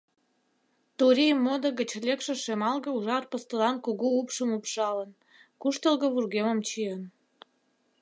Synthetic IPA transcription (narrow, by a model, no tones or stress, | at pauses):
t̪uɾʲijəmːod̪oɣə̆t͡ɕlʲekʃĕʃemɑlɣə̆uʒɑrpəst̪əlɑnkoɣoupʃəmopʃɑlən | kuʃt̪əlɣə̆βurɣemə̆mt͡ɕiən